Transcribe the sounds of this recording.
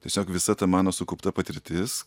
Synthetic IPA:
tʲiɛsʲoːkʋʲɪsɐt̪ɐmɑːnoːsʊkʊːpt̪ɐpɐt̪ʲɪɾʲt̪ʲɪs

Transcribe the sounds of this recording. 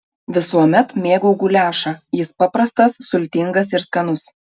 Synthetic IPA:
ʋʲɪsuɔmʲɛt̪mʲeːɡuːɡʊlʲæːʃɑjɪspɑpɾɐst̪ɐsːʊlʲt̪ʲɪŋɡɐsɪɾskɐnʊs

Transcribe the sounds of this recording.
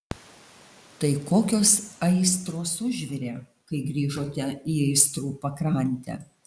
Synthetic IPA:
t̪ɐɪkoːkʲoːsɐɪst̪ɾoːsʊʒʲʋʲɪɾʲeːkɐɪɡɾʲiːʒoːt̪ʲɛiːɐɪst̪ɾuːpɐkɾɐˑnʲt̪ʲæ̰ː

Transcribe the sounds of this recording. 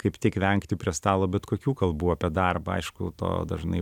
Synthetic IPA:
kɐɪpt̪ʲiɛkʋʲɛŋkt̪ʲɪpʲɾʲiɛst̪ɑːlˠoːbʲɛt̪koːkʲuːkɐlˠbuːɐpʲiɛd̪ɐrbɐɐ̰ɪʃkʊt̪o̰ːd̪ɐʒnɐ̰ɪ

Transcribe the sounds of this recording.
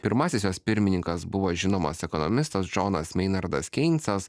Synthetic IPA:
pʲɪɾmɑːsʲɪsjoːspʲɪɾʲmʲɪnʲɪŋkɐsbʊʋoːʒʲɪnoːmɐsɛkɔnɔmʲɪst̪ɐsd͡ʒɔnɐsmʲɛɪnɐɾd̪ɐskʲɛɪnʲt̪sɐs

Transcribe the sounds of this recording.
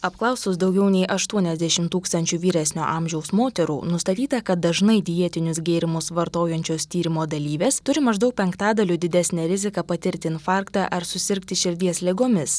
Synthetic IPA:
ɐpklˠɐˑʊsʊsd̪ɒʊɡʲɛʊnʲɛɪʔɐʃt̪uɔnʲɛzʲd̪ʲɛʃʲɪmt̪uːkst̪ɐnʲt͡ʃʲuːʋʲiːɾʲæsʲnʲo̰ːʔɑːmʲʒʲɛʊsmoːt̪ʲɛɾṵːnʊst̪ɐt̪ʲiːt̪ɐkɐt̪̚d̪ɐʒnɐɪd̪ʲɪjiɛt̪ʲɪnʲʊsɡʲɛːɾʲɪmʊsʋɐɾt̪oːjɛnʲt͡ʃʲoːst̪ʲiːɾʲɪmoːd̪ɐlʲiːʋʲeːst̪ʊɾʲɪmɐʒd̪ɐʊk̚pʲɛŋkt̪ɑːd̪ɐlʲuːd̪ʲɪd̪ʲæsʲnʲɛɾʲɪzʲɪkɐpɐt̪ʲɪɾʲt̪ʲɪɪnfɑːˑɾkt̪ɑːʔɐɾsʊsʲɪɾʲkt̪ʲɪʃʲɪɾʲd̪ʲiɛslʲɛɡoːmʲɪs

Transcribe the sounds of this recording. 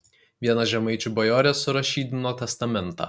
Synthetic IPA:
ʋʲiɛnɐʒʲɛmɐɪt͡ʃʲubɐjoːɾʲɛsʊɾɐʃʲiːd̪ʲɪnoːt̪ʲɛst̪ɐmʲɛnˑt̪ɑ̰ː

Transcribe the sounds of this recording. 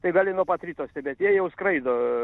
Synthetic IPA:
t̪ɐɪɡɑːlʲɪnuɔpɑt̪ɾʲiːt̪oːsʲt̪ʲɛbʲɛt̪jiɛjɛʊskɾɐɪd̪oː

